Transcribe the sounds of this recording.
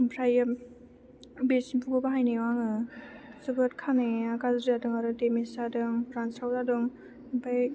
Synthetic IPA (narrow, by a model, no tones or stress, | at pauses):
mpʰɾajɯ | besinpʰuɡɔbaɦajnewaŋɯsubɯtkʰaneaɡazɾiadɯŋaɾɯtemisadɯŋpʰɾansɾawzadɔŋ | pʰaj